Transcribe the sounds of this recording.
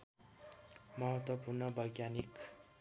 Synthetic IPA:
mʌɦʌt̪wʌpurnʌbʌjɡjanik

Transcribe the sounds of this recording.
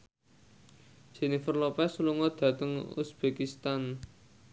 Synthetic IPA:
ʒ̥e̤nifərlɔpɛsuluŋɔd̪̥ä̤t̪əŋṵsb̥ekist̪an

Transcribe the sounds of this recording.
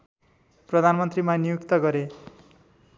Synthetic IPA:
prʌd̪ʱanmʌnt̪rimanijukt̪ʌɡʌɾe

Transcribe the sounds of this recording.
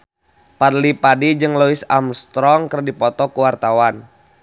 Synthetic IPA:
padlipadid͡ʒɨŋlɔisamst̪ɾɔŋkərdipɔt̪ɔkuwart̪awan

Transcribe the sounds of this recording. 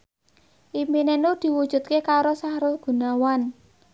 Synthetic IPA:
ʔiminenud̪̥i̤wud̥ʒ̥ṳt̪̚kekaɾosahɾʊhɡ̥ṳnawan

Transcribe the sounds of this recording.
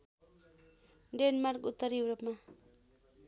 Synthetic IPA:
ɖenmarkut̪ːʌɾjuwɾopma

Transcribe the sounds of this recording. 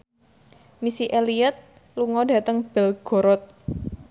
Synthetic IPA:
misiʔeliət̪̚ | luŋɔdä̤t̪əŋb̥ɛ̤lɡ̥o̤ɾɔt̪̚

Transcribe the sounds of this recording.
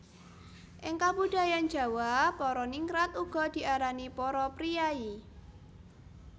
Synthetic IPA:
ʔɪŋkabud̥a̤jan̥d͡ʒ̥ä̤wapɔɾɔniŋɾat̪uɡ̥ɔ̤d̪̥i̤ʔaɾanipɔɾɔpɾijai

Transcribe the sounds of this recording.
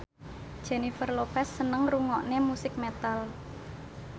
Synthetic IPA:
d̥ʒ̥enifərlopɛsːənəŋruŋɔʔnemusɪk̚met̪al

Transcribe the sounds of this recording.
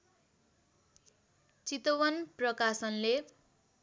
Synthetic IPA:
t͡sit̪owʌnprʌkasʌnle

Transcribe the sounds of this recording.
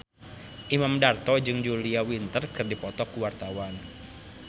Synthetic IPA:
ʔimamdart̪ɔd͡ʒɨŋd͡ʒuliawint̪ərkɨrdipɔt̪ɔkuwart̪awan

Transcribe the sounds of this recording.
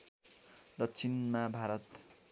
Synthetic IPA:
d̪ʌkt͡sʰinmabʱaɾʌt̪

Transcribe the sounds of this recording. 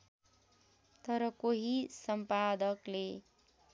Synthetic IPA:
t̪ʌɾʌkoɦisʌmpad̪ʌkle

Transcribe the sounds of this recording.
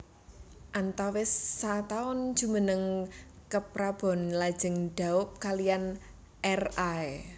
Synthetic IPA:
ʔant̪awɪsːat̪aʊn̥ʒ̥ṳmənəŋ | kəpɾab̥ɔ̤nlad̥ʒ̥ə̤ŋɖ̥a̤ʊp̚kalijan | ʔɛrae

